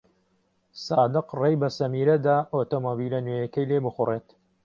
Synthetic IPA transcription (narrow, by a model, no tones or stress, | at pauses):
saːd̪ɨqrejbɐsɐmiːɾɐd̪aːʔoːt̪omobilɐnejɛkɐjlebɨxʊreːt̪